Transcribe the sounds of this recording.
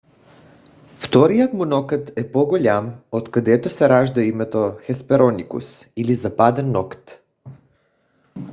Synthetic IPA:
ft̪ɔɾijət̪munɔkət̪ɛpɔɡolʲamot̪kad̪ɛt̪osɛɾaʒd̪aimɛt̪oxɛspɛɾɔnikṵsilizapad̪ɛnːɔkt̪

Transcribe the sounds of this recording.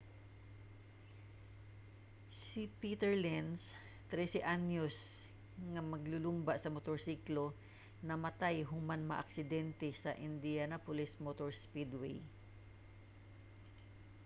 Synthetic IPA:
sipit̪ɛɹlɛns | t̪ɾɛsɛʔanjos | ŋɐmɐɡlʊlʊmbasɐmot̪oɹsiklo | nɐmɐt̪ajɦʊmanmɐʔɐ̰ksɪd̪ɛnt̪ɛsɐʔɪnd̪ianapʊlɪsmot̪oɹspid̪wḛj

